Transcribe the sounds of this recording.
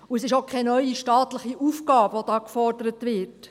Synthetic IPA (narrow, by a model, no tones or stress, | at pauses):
uɛsɪʃokʰχɛnœʏiʃtɑːt̪ləχiʔuːfɡɑːbʋod̥ɑːkfɔɾdəɾətʋɪt